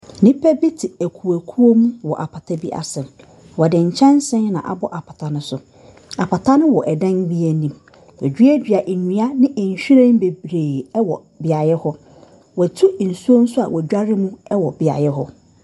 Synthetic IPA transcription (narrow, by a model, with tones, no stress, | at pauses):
nĩ˦pʰɛ˦bi˦tʰɪ˨æ˨kʰu˨æ˨kʰu˦o˦mũ˦wɔ˨ʔa˨pʰa˨tʰa˦bi˦ʔa̰˨sɛ̃˨m | wɔ˨dɪ̃˨ɲ̩˨t͡ɕʰɛ̃˦n˦sɪ̃˦nnã̰˨ʔa̰˨bɔ˦ʔa˨pʰa˨tʰa˨nʊ̃˦sʊ˨ | a˨pʰa˨tʰa˦nʊ̃˦wɔ˨ʔɛ˨dã˦n˦bi˦æ˨˦nĩ˦m | wɔ̰˨d͡ʑᶣɥæ˦dᶣi˨a˨ʔe˨ɲĩ˨˦a˦nɪ̃˦ʔɲ̩˨ɕᶣi˦ɾẽ˦m˦be˨bɾeː˨ɛ˦wɔ˨ | bɪ˨a˨jɛ˦hɔ˦ | wɔ˨tʰu˦˨n̩˨su˦o˦n̩˦sʊ˦a̰˨wʔɔ˨d͡ʑᶣa˦ɾɪ˦mũ˦ɛ˦wɔ˨bɪ˨a̰˨jɛ˦ɦɔ˦